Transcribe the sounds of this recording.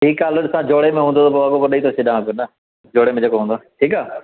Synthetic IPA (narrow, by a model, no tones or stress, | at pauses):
ʈʰiːkaːləɗɪsãːd͡ʒoːɽemẽɦũːnd̪ot̪oboakopəɗəit̪ʰosɪɗãpjonə | d͡ʒoːɽemẽd͡ʑeːkoɦːnd̪oʈʰiːkaː